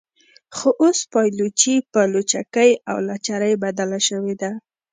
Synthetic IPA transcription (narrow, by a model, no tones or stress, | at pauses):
xoʔospɑjlut͡ʃipəlot͡ʃakəja̰wlat͡ʃaɾəjbad̪alaʃəwed̪a